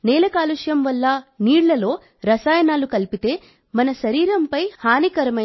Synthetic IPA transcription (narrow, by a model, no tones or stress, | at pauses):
nɛːlɐkaːluʂjɐmʋɐlːɐniːɽlɐlo̞ː | ɾɐsaːjɐnaːlukɐlpit̪e̞ː | mɐnɐʃɐɾiːɾɐmpɐjhaːnikɐɾɐmɐ